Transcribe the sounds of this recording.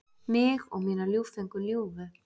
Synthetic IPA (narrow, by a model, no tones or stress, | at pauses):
mɪɣɔɣmiːnaljuwfeŋkʏljuwvʏ